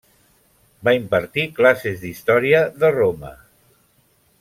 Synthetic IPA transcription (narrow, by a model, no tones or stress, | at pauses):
baimpəɾt̪iklasezðist̪ɔɾiəðəromə̰